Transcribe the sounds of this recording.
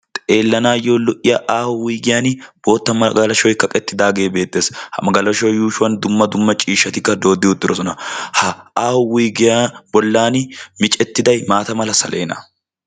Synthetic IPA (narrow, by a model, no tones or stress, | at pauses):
t̪ʼe̞ːlːɐnaːjo̞ːlɔʔɪjaʔaːhʊwiːɡɪjaːnɪb̥o̞ːt̪ːɐmɐɡɐlɐʃɔjkɐkʼɛt̪ːɪd̪aːɡe̞ːbe̞ːt̪ʼːe̞ːshɐ̰mɐɡɐlɐʃɔjːuːʃʊwɐnd̪ʊmːɐd̪ʊmːɐt͡ʃʼiːʃːɐt̪ɪkːɐd̪o̞ːd̪ːɪʊd̪ːɪɾɔsɔnɐhɐaːhʊwiːɡɪjabɔlːaːnɪmɪt͡ʃʼɛt̪ːɪd̪ɐjmaːt̪ɐmɐlɐsɐlʔe̞ːnɐ̰